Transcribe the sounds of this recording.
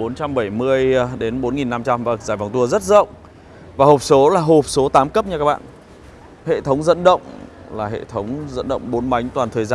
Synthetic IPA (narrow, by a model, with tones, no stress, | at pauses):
ɓo˨˦nt͡ɕa˧mɓə˧˩jmɨ˧əjɗe˨˦nɓo˨˦nŋi˨˩nːa˧mt͡ɕa˧mvaː˨˩k̚zaː˧˩jva˨˩wt̪u˧əzə˦˥t̚zə̰˧˨wŋ͡m | vaː˨˩ɦo˨˩p̚so˨˦laː˨˩ɦo˨˩p̚so˨˦t̪aː˨˦mkə˦˥p̚ɲa˧kaː˦˥k̚ɓa̰ː˧˨n | hḛ˧˨t̪ʰə˨˦wŋ͡mzə̰˧˨nɗə̰˧˨wŋ͡m | laː˨˩ɦḛ˧˨t̪ʰə˨˦wŋ͡mzə̰˧˥nɗə̰˧˨wŋ͡mɓo˨˦nma˨˦jŋ̟t̪waː˨˩nt̪ʰəː˨˩jzaː˧